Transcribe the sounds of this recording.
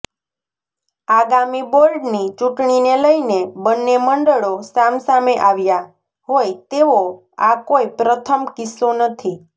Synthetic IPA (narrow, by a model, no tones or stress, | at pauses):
aɡamiboɾɖnit͡ʃũʈɳineləjnebənːeməɳɖəɭosamsameʔaʋja | ɦojt̪eʋo | akoipɾət̪ʰəmkɪsonət̪ʰi